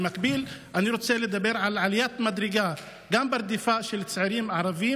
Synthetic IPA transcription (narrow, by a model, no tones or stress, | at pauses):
makbilʔaniɾoːt͡seled̪abːeɾʕalaʕalɪjaːt̪mad̪ɾɪɡa | ɡambɪɾˤd̪ɪfaːʔʃɪlt͡sʕiɾiːmaʕɾˤɑviː